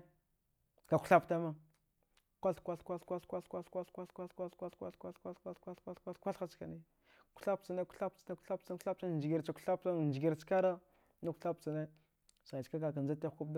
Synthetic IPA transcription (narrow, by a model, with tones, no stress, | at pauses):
ka˨kʷu̥˨ɬa˦pta˦ma˦ | kʷa˦ɬkʷa˦ɬkʷa˦ɬkʷa˦ɬkʷa˦ɬkʷa˦ɬkʷa˦ɬkʷa˦ɬkʷa˦ɬkʷa˦ɬkʷa˦ɬkʷa˦ɬkʷa˦kʷa˦ɬkʷa˦ɬkʷa˦ɬkʷa˦kʷa˦ɬkʷa˦ɬxa˦t͡ʃka̰˨ni˦ | kʷɬa˦p̚t͡sa˨ne˦ku̥˦ɬa˦pt͡sa˨ne˦ku̥˦ɬa˦p̚t͡sḁ˦ɬa˦p̚ta˦˨nd͡ʒi˨ɡi˨ɾt͡ʃa˨kʷu̥˨ɬa˦p̚ta˦˨n˨d͡ʒi˨ɡi˨ɾt͡ʃka˦ɾa˦ | na˦ku̥˦ɬa˦p̚t͡sa˨ne˦ | sa˨t͡ʃka˦ka˨ka˨nza˦te˦xku˦bd